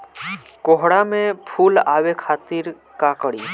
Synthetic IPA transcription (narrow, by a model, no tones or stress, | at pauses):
koɦɽamẽpʰuːlaːʋekʰaːt̪iɾ | kakəɽiː